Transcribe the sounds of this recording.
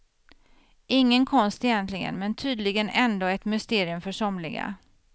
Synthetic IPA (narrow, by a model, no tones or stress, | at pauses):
ɪŋːənkʰɔnst̪ɪjɛnt̪lɪɡə̰nmɛnt̪ʰyːd̪lɪɡənɛnd̪oːɛt̪mʏst̪eːɾɪɵmfœʂɔmlɪɡa̰